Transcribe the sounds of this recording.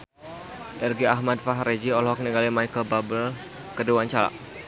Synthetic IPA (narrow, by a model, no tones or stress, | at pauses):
ʔɛrɡiaɦmat̪̚faɦɾed͡ʒiɔlɔɔk̚niŋɡalimajkəlbabəl | kəduwaɲt͡ʃala̰ʔ